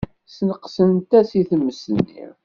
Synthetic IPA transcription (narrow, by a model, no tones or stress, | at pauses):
snəqːsənt̪æsiθəmːəsənːḭɾ